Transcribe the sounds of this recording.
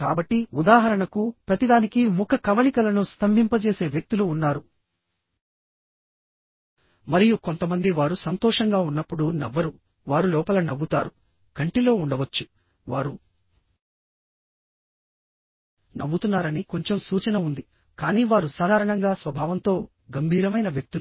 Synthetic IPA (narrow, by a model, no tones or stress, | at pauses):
kaːbɐʈːiud̪aːɦɐɾɐɳɐkupɾɐt̪id̪aːnikimukʰɐkɐʋɐɳikɐlɐnust̪ʰɐmbʱimpɐt͡ʃe̞ːse̞ːʋjɐk̚t̪uluːnːaːɾu | mɐɾijuko̞nt̪ɐmɐnd̪iʋaːɾusɐnt̪ɔːʂɐŋɡaːunːɐpːuɽunɛ̰ʋːɐɾu | ʋaːɾulɔːpɐlɐnɐbːut̪a̰ːɾu | kɐɳʈilo̞ːuɳɖɐʋɐt͡ʃːu | ʋaːɾu | nɐ̰bːut̪unːaːɾɐniko̞ɲt͡ʃemsuːt͡ʃɐnɐund̪i | kaːniːʋaːɾusaːd̪ʱaːɾɐɳɐŋɡaːsʋɐbʱaːʋɐnt̪o̞ː | ɡɐmbʱiːɾɐmɐjnɐʋjɐk̚t̪u